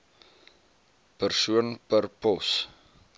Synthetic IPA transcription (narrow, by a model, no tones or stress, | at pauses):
pərsuənpərpɔs